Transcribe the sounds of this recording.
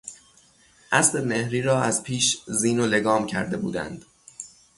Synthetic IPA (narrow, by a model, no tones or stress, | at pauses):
ʔæsle̞me̞hɾiːɾɒːæzpʰiːʃziːnole̞ɡɒːmcʰæɾd̪e̞bṵːd̪æ̰nd̪̥